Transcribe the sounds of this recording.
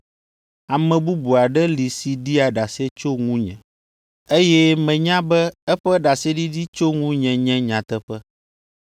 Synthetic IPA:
a˨mɛ̃˨bu˦bu˨a˨ɖɛ˦li˨si˨ɖi˦a˨ɖa˨se˦t͡ʃo˦ŋũ˦ɲɛ̰̃˨ | e˦jɛ˦mɛ̃˨ɲã˦bɛ˦ɛ˦ɸɛ˦ɖa˨sɛ˦ɖi˦ɖi˦t͡ʃo˦ŋũ˦ɲɛ̃˨ɲɛ̃˦ɲã˨t̪ɛ˦ɸɛ˦

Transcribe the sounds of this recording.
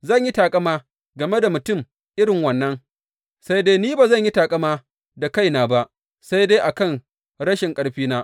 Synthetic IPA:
zɐ˦˨ɲji˦taː˨kʼɐ˦maː˦ | ɡɐ˨me˦da˨mʊ˨tʊ˦˨m | ʔɪ˦ɽɪ˨ŋwɐ˨nːɐ˦ŋ | sa˦jdeː˦niː˦baː˨zɐ˦˨ɲji˦taː˨kʼɐ˦maː˦ | da˨ka˦jnaː˨ba˦ʔ | sa˦jdeː˦ʔa˨kɐ˦˨n | ɽɐ˦ʃɪ˨ŋkʼɐ˦ɽɸiː˦naː˦ʔ

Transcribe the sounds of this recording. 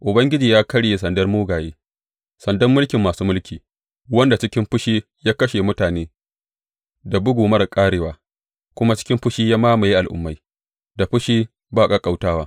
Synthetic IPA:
ʔʊ˨bɐ˦ŋɡʲɪ˦d͡ʒiː˨jaː˦kɐ˦ɽje˦sɐ˨ndɐ˦rmuː˦ɡaː˨jeː˦ | sɐ˨ndɐ˦mːʊ˦lkʲɪ˨mːaː˨suː˦mʊ˦lkʲiː˨ | wɐ˦nda˨t͡ʃɪ˦kʲɪ˦mɸʊ˦ʃiː˦ | jaː˦kɐ˦ʃe˨mʊ˦taː˨neː˦ | da˨bʊ˦ɡuː˨mɐ˦rkʼaː˦ɽeː˨waː˦ | kʷʊ˦ma˦t͡ʃɪ̥˦kʲɪ˦mɸʊ˦ʃiː˦jaː˦maː˦ma˨ji˦ʔa˨lʔʊ̰˦mːa˦j | da˨ɸʊ˦ʃiː˦ | baː˦˨kʼa˦kʼa˨wtaː˦waː˦

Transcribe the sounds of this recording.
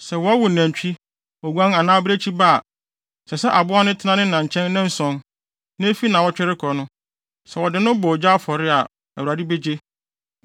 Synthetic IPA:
sɛ˨wɔ˦a˦wʊ˨næ̃˨ɲ˨t͡ɕᶣi˦ | ɔ˨wã˦na˨nãː˦bɪ˦ɾe˦t͡ɕʰi˦ba˦˨ | sɛ˨sɛ˦ʔa˨bʊ˦a˦nʊ̃˦tʰɪ˦nã˦nɪ̃˦nã˨ɲ̩˨t͡ɕʰɛ̃˦n˦nɪ̃˦n̩˦sɔ̃˨n | nɪ̃˦e˦fi˦nã˨wɔ˦t͡ɕᶣɛ˦ɾɪ˦kʰɔ˨nʊ̃˦ | sɛ˨wɔ˨dɪ˨nʊ̃˦bɔ˨d͡ʑa˦fɔ˨ɾɪ˦a˨ | æ̰˨wɾa˨dɪ˦be˦d͡ʑe˦

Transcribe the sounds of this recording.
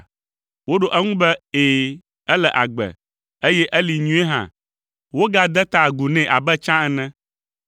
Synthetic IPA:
wo˦ɖo˨ʔɛ˦ŋũ˦bɛ˦eː˨ | ɛ˦lɛ˨ʔa˨ɡ͡bɛ̰˨ | e˦jɛ˦ʔɛ˦li˨ɲũ˦ɛ˦ɦã̰˨ | wo˦ɡa˦d̪ɛ˦t̪a˨ɡu˨nɛ̃˨ʔa˨bɛ˦t͡ʃã˦ɛ˨nɛ̃˦

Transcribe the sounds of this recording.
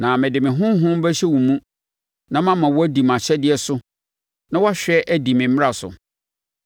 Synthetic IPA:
nã˨mɪ̃˨dɪ˨mɪ̃˨ɦʊ̃˦m˦ɦʊ̃˦bɛ˦ɕɛ˦wũ˨mũ˦ | nã˦mã˦mã˨wɔ˦æ˦di˨mã˨ɕɛ˦dɪ˨˦ɛ˦sʊ˦ | nã˦wɔ˦a˦ɕᶣɛ˦ʔæ˦di˨mɪ̃˨m̩˦ɪ̃˦a˨sʊ̰˨

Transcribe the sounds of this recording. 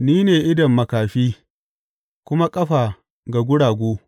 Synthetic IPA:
niː˦neː˨ʔɪ˦dɐ˨mːɐ˨kaː˨ɸiː˦ | kʷʊ˦ma˦kʼɐ˦ɸaː˨ | ɡa˨ɡʷʊ˦ɽaː˨ɡʷoː˦

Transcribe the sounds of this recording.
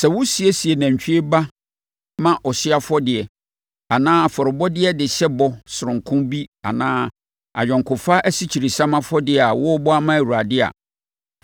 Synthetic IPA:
sɛ˨wʊ˦si˨e˦si˨e˨nã˨ɲ˨t͡ɕᶣi˦e˦ba˦ | mã˦ʔɔ˨ɕɪ˦a˦fɔ˦dɪ˨ɛ˨ | a˨nãː˦fɔ˨ɾɪ˨bɔ˦dɪ˦ɛ˦dɪ˨ɕɛ˦bɔ˨sʊ˨ɾʊ̃˨ŋ˨kʰʊ̃˦mbi˦a̰˨nãː˦ | a̰˨d͡ʑᶣɛ̃˨ŋ˨kʰʊ̃˨fa˦ʔæ˦si˦t͡ɕʰi˨ɾi˨sã˦mã˦fɔ˦dɪ˨ɛ˨a˨wʊ˦ɔ˦bɔ˦a˦mã˦æ˨wu˨ɾa˨dɪ˦a̰˨

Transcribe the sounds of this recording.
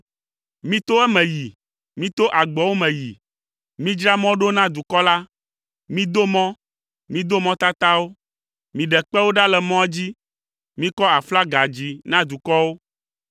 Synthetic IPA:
mĩ˦t̪o˦ɛ˦mɛ̃˨ji˨ | mĩ˦t̪o˦ʔa˨ɡ͡bɛ˨wo˦mɛ̃˨ji˨ | mĩ˦d͡ʒɾa˦mɔ̃˦ɖo˦nã˦d̪u˨kɔ˦la˦ | mĩ˦d̪o˦mɔ̃˦ | mĩ˦d̪o˦mɔ̃˦t̪a˦t̪a˦wo˦ | mĩ˨ɖɛ˨k͡pɛ˦wo˦ɖa˦lɛ˨mɔ̃˦ɛ˦d͡ʑi˦ | mĩ˦kɔ˦a˨fla˦ɡa˨d͡ʑi˨nã˦d̪u˨kɔ˦wo˦

